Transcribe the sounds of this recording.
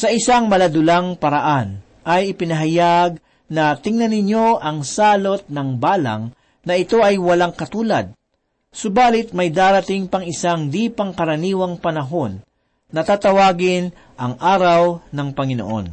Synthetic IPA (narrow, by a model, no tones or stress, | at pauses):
sɐʔɪsaŋmɐlɐd̪ʊlaŋpɐɾɐʔan | ʔɐjɪpɪnɐɦɐjaɡ̚ | nɐt̪ɪŋnɐnɪɲo̞ʔɐŋsaːlo̞t̪̚nɐŋbaːlɐ̰ŋ | nɐʔɪt̪o̞ʔɐjwɐlaŋkɐt̪uːlɐ̰d̪̚ | sʊbaːlɪt̪̚mɐjd̪aːɾɐt̪ɪŋpɐŋɪsaŋd̪ipɐŋkɐɾɐniːwɐŋpɐnɐɦo̞nː | ɐt̪at̪ɐwaːɡɪn | ʔɐŋʔaːɾɐwnɐŋpɐŋɪno̰ʔo̞̰n